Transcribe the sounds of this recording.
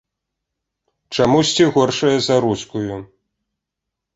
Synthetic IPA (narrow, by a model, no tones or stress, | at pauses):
t͡ʂamusʲt͡sʲiɣɔrʂɐjɐzɐɾuskuju